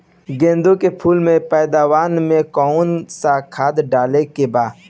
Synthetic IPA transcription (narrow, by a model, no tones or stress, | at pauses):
ɡẽːnd̪õkepʰuːlmẽpɛːd̪aːwaːnmẽkɔːʊnsakʰaːd̪ɖaːlekebaː